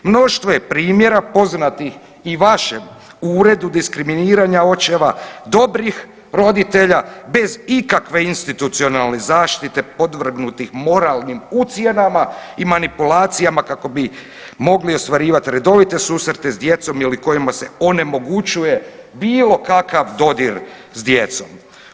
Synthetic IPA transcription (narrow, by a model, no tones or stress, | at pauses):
mno̞ʃt̪ʋo̞jepɾiːmje̞ɾapo̞znat̪ix | iʋaʃem | uːɾe̞d̪ud̪iskɾiminiːɾaɲao̞t͡ɕe̞ʋad̪o̞bɾix | ɾo̞d̪it̪e̞ʎabe̞zikakʋe̞inst̪it̪ut̪sio̞nalˠne̞zaːʃt̪it̪e̞po̞d̪ʋr̩ɡnut̪ixmo̞ɾalnimut̪sje̞namaimanipulaːt̪sijamakako̞bi | mo̞ɡlio̞st̪ʋaɾiːʋat̪ɾe̞d̪o̞ʋit̪e̞suːsɾt̪e̞zd̪je̞t̪so̞miliko̞jimase̞o̞ne̞mo̞ɡut͡ʃujebiːlo̞kakaʋd̪o̞d̪iɾ | zd̪je̞t̪so̞̰m